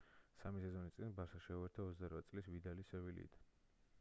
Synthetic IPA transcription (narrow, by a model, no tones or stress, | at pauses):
samisɛzɔnist̪sʼinbaɾsaʃɛuvɛɾt̪ʰaɔt̪sʰd̪aɾvat̪sʼlisvid̪alisɛvilḭːd̪